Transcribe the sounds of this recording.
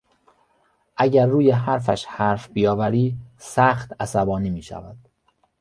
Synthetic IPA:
ʔæɟæɾːuːjeɦæɾfæʃhæɾfbijɒːvæɾiːsæxt̪æsæbɒːniːmiːʃæ̰væd̪̥

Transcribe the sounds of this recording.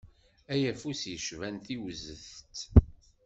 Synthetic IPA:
æjæfusjəʃvænt̪iwzəθt̪

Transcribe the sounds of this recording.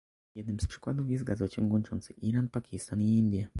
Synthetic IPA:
jɛd̪̚nɘmspʂɘ̥kwad̪ufjɛsɡazɔt͡ɕɛŋɡwɔnt͡ʂɔ̰nt̪sɨʔiɾanpakʲist̪aniind̪ʲja

